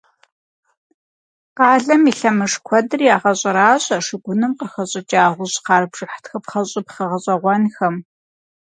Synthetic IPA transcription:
qɑːɮɐmiɬɐmɨʂkʷʰɔdɨrijaːʁɐɕʼɪɾaːɕʼɐʂɨɡʷʊnɨmqɐxɐɕʼɪt͡ʃʼaːʁʷʊʑqɑːrbʐʼɨħtxɐpχɐɕʼɪpχɐʁɐɕʼɐʁʷɔnxɐm

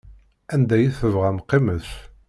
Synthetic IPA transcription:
ænd̪æjiθəvʁæmqːiməθ

